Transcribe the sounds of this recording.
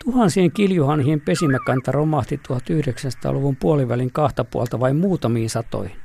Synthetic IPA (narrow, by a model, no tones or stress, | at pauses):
t̪uhɑnsieŋkiljuhɑnhihempesimækɑnt̪ɑromɑht̪it̪uhɑt̪yhɾeksænsɑ̥t̪ɑ̰ːluʋumpuoliʋʋæliŋkɑht̪ɑpṵɑ̰lt̪ɑʋɑimmuːt̪ɑmiːnsɑt̪o̰i